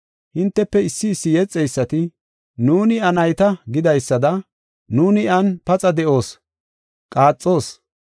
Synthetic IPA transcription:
hɪnt̪ːɛpːɛɪsːɪːsːɪjɛt͡sʼːɛjsːɐt̪ɪ | nuːnɪɐnɐjt̪ɐɡɪd̪ɐjsːɐd̪ɐ | nuːnɪɐnpɐt͡sʼɐd̪ɛʔo̞ːs | kʼaːt͡sʼːo̞ːs

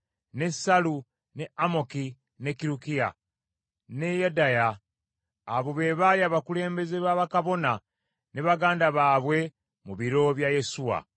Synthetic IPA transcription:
ne̞salu | ne̞amo̞ki | ne̞kiɾukija̰ | ne̞jadajaː | βoβe̞ːβaliaːβakule̞ːmbe̞ze̞βaβakaβo̞na | neβaɡaːndaβaːβwe̞ | muβiɾo̞βjaje̞suwa̰

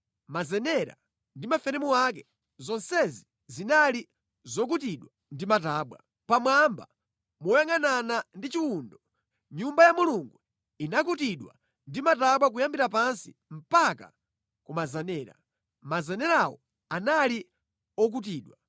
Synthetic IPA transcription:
mazɛnɛɾa̰ | ndimafɛɾɛmuak̬ɛ | zɔnsɛzi | zinali | zɔk̬utiɗwa | ndimataːɓwa̰ | pamwamba̰ | mɔjaŋananandit͡ʃiundɔ | ɲumbajamuluŋɡu | inakutiɗwa̰ | ndimataɓwak̬ujambiɾap̬ansḭ | m̩paka̰ | kumazɛnɛːɾa̰ | mazɛnɛɾawɔ̰ | anali | ɔk̬ut̬iːɗwa

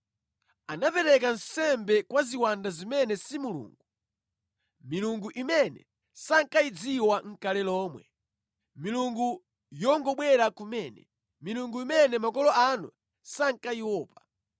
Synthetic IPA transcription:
anapɛɾɛkan̩sɛmbɛkwaziwandazimɛnɛsimulṵːŋɡu | miluŋɡuʔimɛnɛ̰ | saŋkaid͡ziwaŋ̩kalɛlɔːmwɛ̰ | miluŋɡu | jɔŋɡɔɓwɛɾakumɛnɛ̰ | miluŋɡuimɛnɛmakɔlɔanṵ | saŋ̩kaiwɔːpḁ

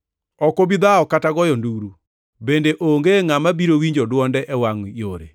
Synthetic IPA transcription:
ɔkoβiðaɔkataɣɔjɔnduɾu | bendeʔoŋɡeŋamabiɾowiɲd͡ʒɔdwɔndɛʔɛwaŋujoɾḛ

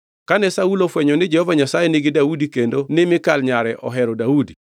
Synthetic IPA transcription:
kanɛsaulofwɛɲɔnɪd͡ʒɛhɔvaɲasajenɪɡɪdaudikendonɪmɪkalɲaɾɛʔɔ̰ɦɛɾɔdaudi

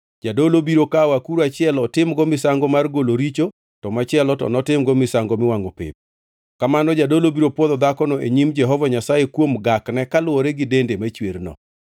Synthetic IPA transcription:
d͡ʒadolobiɾokawakuɾat͡ʃɪɛlɔtɪmɡɔmɪsaŋɡɔmarɡoloɾit͡ʃo | tɔmat͡ʃɪɛlɔtɔ̰nɔtɪmɡɔmɪsaŋɡomɪwaŋopɪ̰p̚ | kamanɔd͡ʒadolobiɾopwɔðɔd̪akɔnɔʔeɲimd͡ʒɛɦɔvaɲasajekwomɡaknɛkalʊwoɾeɡɪdendemat͡ʃwernɔ̰

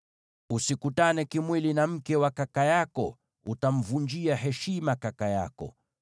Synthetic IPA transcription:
usikutanɛkimwilinam̩kɛwakakajakɔ | utam̩vund͡ʒiaɦɛʃimakakaja̰kɔ̰

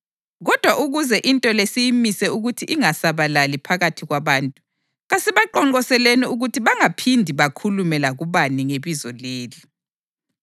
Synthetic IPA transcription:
ɣɔd̥ʱwaʔuɣuzɛʔintʼɔlesijimisɛuɣutʰiʔiŋasaβalalipʰaɣatʰiɣwaβaːntʼu | ɣasiβaǃɔŋɔsɛleniuɣutʰiβaŋapʰindʱiβakʰulumɛlaɣuβaniŋeβizɔleːli

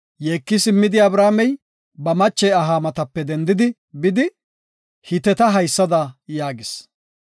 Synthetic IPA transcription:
jeːkːɪsɪmːɪd̪ɪɐbɾaːmɛj | bɐmɐt͡ʃːɛjɐɦaːmɐt̪ɐpːɛd̪ɛnd̪ɪd̪ɪ | bɪd̪ɪ | hɪt̪ɛt̪ɐɦɐjsːɐd̪ɐjaːɡɪs

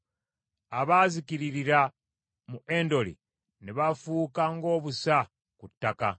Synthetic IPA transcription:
aβaːzikiɾiɾiɾa | muʔe̞ːndo̞lḭ | niβafuːkaŋɡo̞ːβusa | kutːaka̰

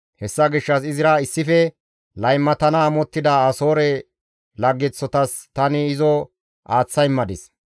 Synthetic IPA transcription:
hɛsːɐɡɪʃːɐsɪzɪɾɐɪsːɪfɛ | lɐjmːɐt̪ɐnɐːmɔt̪ːɪd̪ɐːso̞ːɾɛ | lɐɡːɛt͡sːɔt̪ɐs | t̪ɐnɪːzɔ | ʔaːt͡sːɐjmːɐd̪ɪs

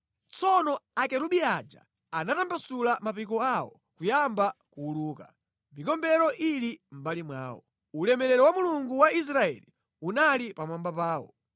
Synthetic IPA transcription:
t͡sɔnɔakɛɾuɓiad͡ʒa̰ | anatambasulamapikɔawɔ̰ | kujambakuːluːka | mikɔmbɛɾɔʔilim̩balimwa̰ːwɔ̰ | ulɛmɛɾɛɾɔwamuluŋɡuwais̬ɾaɛ̰li | unalipamambapaːwɔ̰

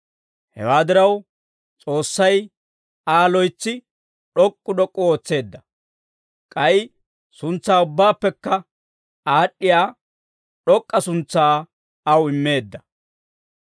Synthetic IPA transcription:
hɛ̰waːd̪ɪɾɐw | t͡sʼo̞ːsːɐj | aːlɔjt͡sːɪ | ɗɔkʼːʊɗɔkʼːʊo̞ːt͡sːe̞ːd̪ːɐ | kʼɐɪ | sʊnt͡sːaːʊbːaːpːɛkːɐ | aːɗːɪjaː | ɗɔkʼːɐsʊnt͡sːaː | ɐwɪmːe̞ːd̪ːɐ

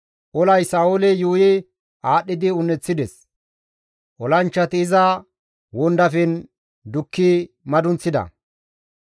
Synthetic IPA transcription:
ʔɔlɐjsaːʊlɛjuːjɛ | aːɗːɪd̪ɪʊnːɛt͡sːɪd̪ɛs | ʔɔlɐnt͡ʃːɐt̪ɪːzɐ | wɔnd̪ɐfɛn | d̪ʊkːɪ | mɐd̪ʊnt͡sːɪd̪ɐ̰

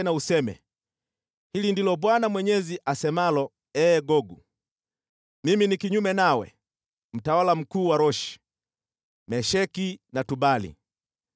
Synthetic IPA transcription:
nausɛmɛ̰ | hilindilɔbwanamwɛɲɛziʔasɛmalɔ | ɛːɡɔɡu | miminikiɲumɛnawɛ̰ | m̩tawalam̩kuːwaɾɔʃi̥ | mɛʃɛkinatubalḭ

